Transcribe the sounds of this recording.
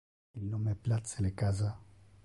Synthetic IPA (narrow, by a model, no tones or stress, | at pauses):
ilnomeɛplat̪selekaza